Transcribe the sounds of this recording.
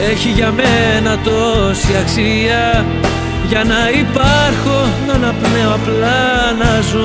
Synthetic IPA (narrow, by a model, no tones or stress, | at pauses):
e̞çiʝɐmenɐt̪o̞siɐksi | ɐ | ʝɐnɐipɐɾxo̞nɐnɐpne̞oɐplɐ | nɐzo